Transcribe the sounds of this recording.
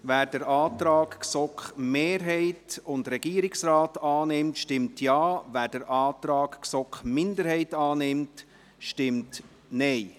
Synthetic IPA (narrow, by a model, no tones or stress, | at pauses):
væːɾd̥əɾɑːtɾɑːkksɔkχmeːɾɦɛɪtʊndɾɛɡ̥iːɾɪksɾɑːtɑːnɪmtʃtɪmtʰjɑːvæːɾd̥əɾʔɑːtɾɑːkksɔkχmɪndəɾhɛɪtɑːnɪmt | ʃtɪmt | nɛɪ